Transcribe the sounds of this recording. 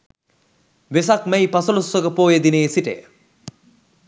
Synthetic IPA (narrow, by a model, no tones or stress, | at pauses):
ʋes̬akmɛjpasɐlusʋəkəpoːjed̪ineːsiʈə̰jə